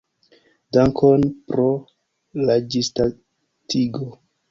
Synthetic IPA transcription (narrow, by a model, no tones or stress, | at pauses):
daŋkʰonpɾo | lad͡ʒista | tʰiɡo